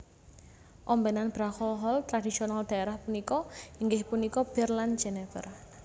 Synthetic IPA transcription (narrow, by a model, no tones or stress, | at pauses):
ʔɔmbɛnanb̥ɾaxɔɦɔlt̪ɾadisionald̪̥aeɾahpunikɔiŋɡɪhpunikɔb̥ɛrland͡ʒɛnɛfə̰r